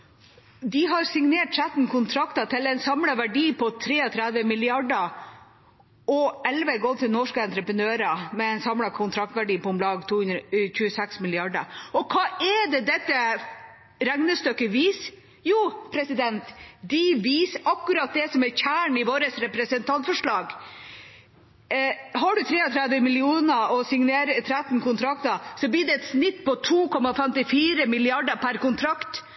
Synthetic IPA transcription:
d̪ɪɦɑɾsɪŋneːʈ̚t̪ʰɾæt̪n̩kʰʊnt̪ʰɾɑkt̪ɑt̪ʰɪlɛɪnsɑmlɑʋæɖiːpʰɔt̪ʰɾeːɔt̪ʰɾæd̪ʋəmɪlɪɑɖə | ɔɛlʋəɡɔːt̪ʰɪlnɔʂkəɛnt̪ɾəpɾənøːɾəmɛɛɪnsɑmlɑkʰʊnt̪ʰɾɑk̚t̪ʋæɖiːpɔɔmlɑːɡt̪ʰuːʉnçʉːəsɛksmɪlɪɑɖəɔkʰɑːɛd̪ɛd̪ɛt̪ːə | ɾæŋnəst̪œkːəʋiːs | juːpʰɾɛsɪd̪ɛnt̪d̪ɪʋiːsʔɑkːʉɾɑt̪̚d̪ɛsɔmɛçæːɳɪʋoːɾəsɾɛpɾɛsənt̪ʰɑnt̪fɔʂɭɑːɡ | ɦɑɖʉt̪ʰɾeːɔt̪ʰɾæd̪ʋəmɪlɪuːnəɔsɪŋneːɾət̪ʰɾæt̪nkʊnt̪ʰɾɑkt̪əsɔbliːd̪ɛɛt̪snɪt̪ːpɔt̪ʰuːkʰɔmɑfɛmt̪ɪfiːɾəmɪlɪɑɖəpʰæɾkʊnt̪ʰɾɑkt̪

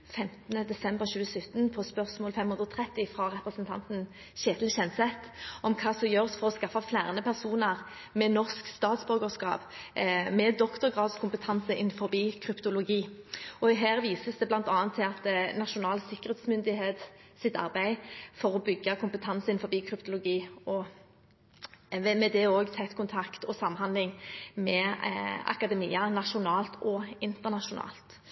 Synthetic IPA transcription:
fɛmt̪nəd̪ɛsɛmbəʁɕʉːəsœt̪ːənpʰɔspœʁsmoːlfɛmhʉnd̪ʁɔt̪ʰʁɛt̪ːɪfʁɑʁɛpʁəsnt̪ʰɑ̰nt̪n̩ | ɕeːt̪l̩ɕɛnsɛt̪ʔɔmkʰɑːsɔjøːʁsfɔʁɔskɑfːɑflæːʁnəpʰæʁsuːnəʁ | mɛnɔʁskst̪ɑːt̪sbœɡəskɑ̰ːpmɛd̪ɔkt̪ʊʁɡʁɑːd̪skʰʊmpət̪ʰɑnsəʔɪnfɔʁbiːkʰɾʏpt̪ʊlʊɡiːɔɦæːʁʋiːsəsd̪ɛblɑnt̪ɑːɑnt̪ʰːɪɑt̪nɑʃʊnɑːlsɪkːəʁeːt̪smʏnd̪ɪheːt̪sɪt̪ɑ̰ʁbæɪfɔʁɔbʏɡːɑkʰʊmpət̪ʰɑnsəɪnfɔbiːkʰɾʏpt̪ʊlʊɡiːɔ | ɛmɛd̪ɛoːɡt̪ʰæt̪kʊnt̪ʰɑkt̪ɔsɑmːɦɑnd̪lɪŋmɛ | ɑ̰kɑd̪ɛmiːɑnɑʂʊnɑːlt̪ʰɔɪnt̪əʁnɑʂʊnɑ̰ːlt̪

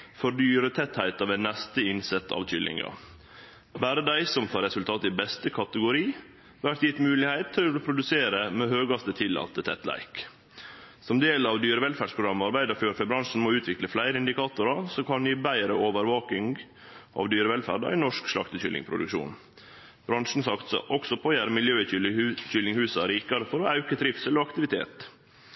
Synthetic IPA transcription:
fɔɾɖ̪yːɾət̪ʰɛt̪hæɪt̪ɑʋænːɛst̪əɪnsɛt̪ʰːɑ̰ʋc͡çʏlːɪ̰ŋɑ̰ | bæːɾəd̪æɪsɔmt̪ʰɑːɾɛsʉlt̪ʰɑːt̪ɪbɛst̪əkʰɑt̪əɡʊɾiː | ʋæʈ̪jɪt̪mʉːlɪhæɪt̪ʰːœpʰɾʊd̪ʉseːɾəmɛhøːɡɑst̪ət̪ʰɪlːɑ̰t̪ːət̪ʰɛ̰t̪læ̰ɪk | sɔmd̪eːlɑʋd̪yːɾəʋɛlfæɖspʰɾʊɡɾɑmːɑɾbæɪd̪əɾføːɾfœbɾɑŋʂn̩mɔʉːt̪ʰʋɪkləflæɪɾəɪnd̪ɪkɑːt̪ʊɾɑsɔkʰɑnjiːbæɪɾəʔoːʋəɾʋɑːkɪŋ | ʔɑ̰ʋd̪yːɾəʋɛlfæ̰ːɖæ̰ɪnɔʂkʂlɑ̰kt̪əçʏ̰lɪ̰ŋpʰɾʊ̰d̪ʉ̰kʂṵːn | b̥ɾɑnʂn̩sɑkt̪sɔ̰ʔɔksɔpʰoːjæɾmɪljøːçʏlɪŋhʉːsɑɾiːkɑɾəfɔɾɔɑʉkəd̪ɾɪfsəlɔɑkt̪ɪʋɪt̪ʰḛːt̪

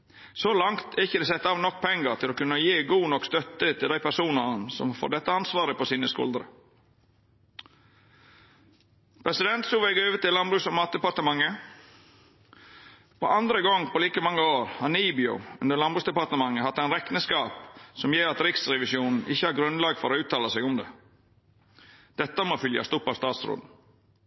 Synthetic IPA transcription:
solɑŋt̪ɛɾɪçːəd̪ɛsɛt̪ːɑːʋnɔk̚ːpʰɛŋːəɾt̪ʰɪloːkʉnːəjeːɡuːnɔkst̪œt̪ːət̪ʰɪld̪æɪpʰæɾsuːnənsɔ̰mfɔ̰d̪ɛt̪ːəɑnsʋɑːɾəpɔsiːnəskʊ̰ld̪əɾə̰ | pʰɾɛsɪd̪ɛnt̪sʊːʋɛɡøːʋət̪ɪlɑnbɾʉːsɔmɑːt̪̚d̪ɛpɑɾt̪əmɑŋːə | pʰo̰ːʔɑnd̪ɾəɡɔŋːpɔliːkəmɑŋːəoːɾhɑniːbɪɔ̰ʉnd̪əlɑnbɾʉːsd̪ɛpɑɾt̪əmɑŋːəhɑt̪ːæɪnɾɛknəskɑːpsɔmjeːɾɑt̪ɾɪksɾɛʋɪsjuːnn̩ʔɪçːəhɑːɾɡɾʉnlɑːɡfɔɾoːʉːt̪ʰːɑːləsɛɡʊmd̪ɛ | d̪̥ɛt̪ːəmoːfʏljɑ̰st̪ʊpːɑst̪ɑːt̪sɾo̰ːd̪n̩

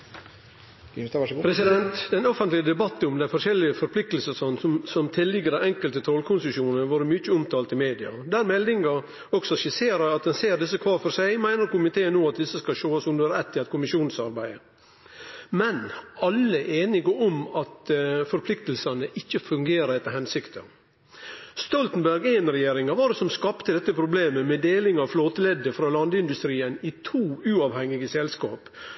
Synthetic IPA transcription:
pʰɾɛsɪd̪ɛnt̪d̪ɛnɔfənt̪lɪəd̪ɛbɑt̪ːnɔmd̪æɪfɔɾʂɛlːɪəfɔɾpʰlɪk̚t̪əlsəsɑnsɔmsɔmt̪ʰɪlːɪɡəɾæʔɛŋkəlt̪ət̪ʰɾɔlkʰʊnsɪʃjuːnəʋɑːɾəmʏt͡ʃːəʊmt̪ʰɑːlt̪ɪmeːd̪ɪɑd̪æɾmɛld̪ɪŋɑ | ɔksɔʃɪseːɾɑɑt̪d̪ɛnseːɾd̪ɪsːəkʰʋɑːɾfɔɾsæɪmæɪnəɾkʊmɪt̪ʰeːənoːɑt̪̚d̪ɪsːəskɑʃoːɑsʊmd̪əɾɾɛt̪ːɪɑt̪̚kʰʊmɪʃuːnən̩sɑɾbæɪə | mɛnɑlːəʔeːnɪɡəɔmɑt̪fɔɾpʰlɪk̚t̪əlsɑnəʔɪçːəfʉŋɡeːɾəɛt̪ːəɾhɛnsɪkt̪ʰə̰ | st̪ɔlt̪n̩bæɾɡæɪnɾɛjeːɾɪŋɑʋɑɾdsɔmskɑpt̪əd̪ɛt̪ːəpʰɾʊbleːməmɛd̪eːlɪŋɑʋfloːt̪əlɛd̪ːəfɾɑːlɑnd̪əɪnd̪ʉst̪ɾiːənɪt̪ʰuːʉːɑʋhɛŋːɪɡəsɛlskɑ̰ːp

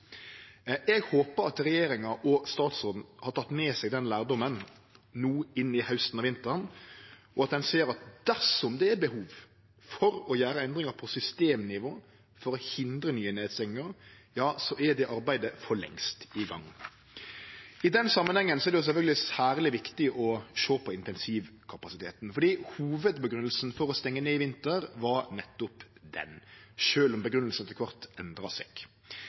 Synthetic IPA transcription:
ɛɡhoːpəɾɑt̪ɾɛjeːɾɪŋɑʔɔst̪ɑːt̪soːd̪n̩hɑɾʈ̪ʰɑt̪ːmeːsɛɡd̪ɛnlæːɾd̪ɔmːən | nuːɪnːɪhœʉst̪ən̩ɑːʋɪnt̪əɾn | ɔɑt̪̚d̪ɛnseːəɾɑt̪̚d̪̥æɾʂɔmd̪ɛɛɾbəhuːʋ | fɔɾɔjæːɾəɛnd̪ɾɪŋɑɾpʰɔsʏst̪eːmnɪʋoː | fɔɾɔhɪnd̪ɾənyːənːeːt̪sɛŋəɾ | jɑːsɔʔɛd̪ɛʔɑɾbæɪd̪əfɔɭɛ̰ŋst̪ɪɡɑ̰ŋː | ɪd̪ɛnsɑmːənhɛŋːənsɔɛɖɛjʊs̬ɛfœlɡlɪsæːɾlɪʋɪkt̪ɪʔɔʃoːpʰɔɪnt̪ɛnsiʋkʰɑpɑsɪt̪ʰeːt̪nfɔɖiːhuːʋəd̪bəɡɾʉnəlsn̩fɔɾɔst̪ɛŋːəneːɪʋɪnt̪əɾʋɑɾnɛt̪ːʊpd̪ɛ̰nʃøːlɔmbəɡɾʉnəlsənt̪ɪlkʰʋɑʁt̪ɛnd̪ɾɑsɛ̰ɡ̥

